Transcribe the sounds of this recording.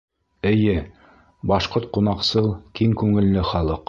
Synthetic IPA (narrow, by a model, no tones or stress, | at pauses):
ɘ̆jɘ | bɑʃqoɾt̪̚qunɑqsɤlˠkiŋkʉŋɘ̆lːɘχɑlˠɤq